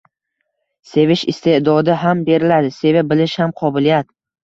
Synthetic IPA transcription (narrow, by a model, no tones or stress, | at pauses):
se̞vɪʃɪst̪ʰed̪ɒd̪ɪɦambe̞ɾɪlad̪ɪse̞vabɪlɪʃhamqʰɒbɪlijat̪